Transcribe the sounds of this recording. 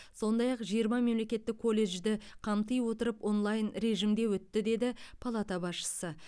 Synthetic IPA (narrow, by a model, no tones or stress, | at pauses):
so̞nd̪ɑjɑqʒijəɾmɑme̞mle̞kʲe̞t̪ːɪkʰːo̞lʲːe̞ʒd̪ɪqʰɑmt̪əjwo̞t̪əɾəpʔo̞nlˠɑjnɾe̞ʒɪmd̪e̞wɵt̪ːɪd̪e̞d̪ɪpʰalˠat̪ɑbɑsʃə̥sə